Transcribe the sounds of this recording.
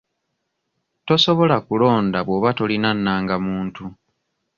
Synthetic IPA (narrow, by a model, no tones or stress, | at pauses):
to̞so̞βo̞lakulo̞ːndaβwo̞βato̞linanːaːŋɡamuːntu